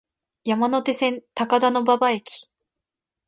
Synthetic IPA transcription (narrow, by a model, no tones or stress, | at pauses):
jamano̞t̪e̞sẽ̞nt̪akad̪ano̞babae̞kʲi̥